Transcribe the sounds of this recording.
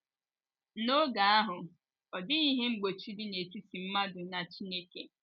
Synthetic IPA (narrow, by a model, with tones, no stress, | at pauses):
no˦ɡa˨a˦ɦʊ˨ | ɔ˨dɪ˦i˦ɦe˦ŋ͡m̩˦ɡ͡bo˨t͡ʃu˦dɪ˦ne˨tu˦ti˨m̩˦ma˦dʊ˨na˨t͡ʃi˦ne˦ke˨